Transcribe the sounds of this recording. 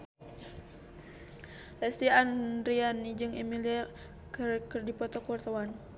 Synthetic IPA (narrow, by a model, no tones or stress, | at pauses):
lɛst̪ianɾianid͡ʒɨŋimilia | kkərdipɔt̪ɔkuɔrt̪awan